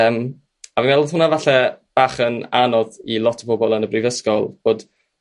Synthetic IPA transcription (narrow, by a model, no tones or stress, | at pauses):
əm | avimɛlˠðhʊnavaɬɛb̥aːχənanɔðilˠɔtʰəbɔbɔlˠənəbrivəskɔlˠb̥oːd̥